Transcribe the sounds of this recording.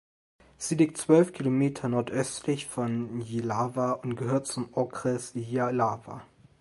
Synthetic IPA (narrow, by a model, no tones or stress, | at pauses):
z̥ilɪk̚tt͡sv̥œlfkʰilomeːtʰɐnɔɐtʔœstʰlɪçfɔnjilaːvaʊntɡ̥əhøːɐt̚t͡sʊmɔkʁɛsjalaːva̰